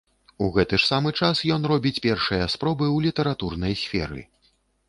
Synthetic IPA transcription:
uɣɛt̪ɨʂsamɨt͡ʂasjɔnrɔbʲit͡sʲpʲɛrʂɨjɐspɾɔbɨwlʲit̪ɐɾat̪urnɐjsʲfʲɛ̰ɾɨ̰

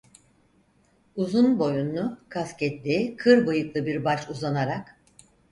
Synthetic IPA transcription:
uzunbo̞junːukʰascɛt̪lʲikʰɯɾbɯjɯklˠɯbiɾbat͡ʃuzanaɾak

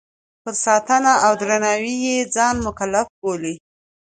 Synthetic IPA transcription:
pəɾsɑt̪ənaawd̪ɾanɑwijed͡zɑnmʊkalːafboli

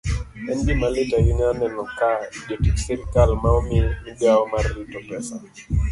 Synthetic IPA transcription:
ɛndimalɪtaɡɪɲanɛnɔkaidotiksɪɾkalmaɔmɪmɪbjaɔmaritɔpɛsa

